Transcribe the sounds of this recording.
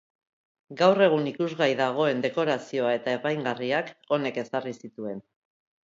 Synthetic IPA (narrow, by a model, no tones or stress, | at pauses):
ɡawre̞ɣ̞unikuzɣajðaɣ̞o̞e̞nd̪e̞ko̞ɾasio̞ae̞t̪ae̞pajŋɡariako̞ne̞ke̞sarisit̪ue̞n